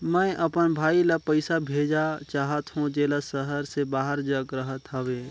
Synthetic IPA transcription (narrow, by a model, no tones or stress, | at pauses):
mɛ̃ʔəpənbʱaːiləpəɪsabʱeːd͡ʒat͡ʃaːɦət̪ɦũd͡ʒeːlasəɦəɾsebaːɦəɾd͡ʒəɡɾəɦət̪ɦəʋeː